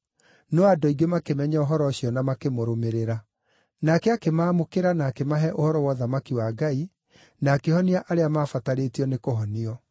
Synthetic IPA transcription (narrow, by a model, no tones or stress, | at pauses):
nɔadɔiɡemakemɛɲaoɦɔɾɔɕiɔnamakemoɾomeɾeɾa | nakɛakemaːmokeɾanaːkemaɦɛʔohɔɾɔwɔðamakiwaːɡai | naːkehɔniaʔaɾeamaːfataɾeːtiɔnekoɦɔniɔ